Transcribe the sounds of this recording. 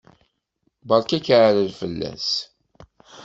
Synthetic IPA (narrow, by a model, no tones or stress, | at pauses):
bɑɾˤkækʕəɾəlfəlːæ̰s